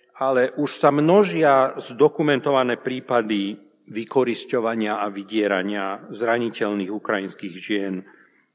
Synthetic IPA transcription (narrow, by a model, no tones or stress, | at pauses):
alɛʔuʃsamnɔʒɪazd̪ɔkumɛnt̪ɔʋanɛːpɾiːpad̪i | ʋikɔɾiscɔʋaɲɪaaʋiɟɪɛɾaɲɪazɾaɲicɛʎniːɣukɾajinskiːɣʒɪɛn